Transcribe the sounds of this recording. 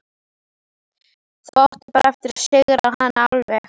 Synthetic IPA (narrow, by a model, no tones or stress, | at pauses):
θvɔht̪ɪ̥paɾʔɛft̪ɪɾ̥sɪɣɾahanːaalvɛx